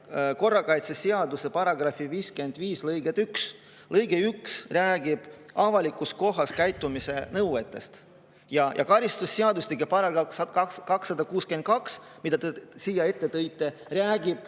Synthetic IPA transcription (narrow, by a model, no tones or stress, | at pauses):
ko̞rːɑkɑjt̪seseɑd̪use̞pɑɾɑɡ̥ɾɑfiviːske̞nd̪viːslɤjɡ̥et̪yks | lɤjɡ̥eyksræːɡ̥ib̥ɑvɑlikːˑusko̞ɦɑskæjt̪ːˑumise̞nɤwet̪ːˑe̞st̪ | jɑjʔɑ̰kɑɾist̪usːeɑd̪usikːepɑɾɑɡɑsɑkɑksːɑd̪ɑkuːskyent̪̚kɑks | mid̪̥ɑt̪esiːjɑe̞t̪ːe̞t̪ɤjt̪ːˑe̞reæːɡ̥ib̥